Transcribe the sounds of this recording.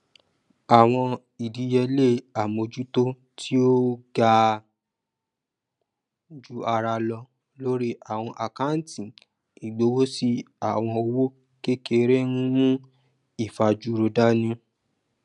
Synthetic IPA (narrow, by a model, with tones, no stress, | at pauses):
a˨w̃ɔ̃˧ | i˨di˨˦jɛ˧le˦a˨mo˧˨d͡ʒu˦to˦ | tʰi˦o˦ɡa˦˧ | d͡ʒu˦a˧ɾa˧lɔ˧ | lo˦ɾi˦ʔa˨w̃ɔ̃˧ʔa˨ka˦n̩˦tĩ˨ | i˨ɡ͡bo˨˦wo˦si˦ | a˦˨w̃ɔ̃˧o˧wo˦ | ke˦ke˧ɾe˦nũ˦nũ˦ | i˦˨fa˧d͡ʒu˦ɾo˧da˦nũ˦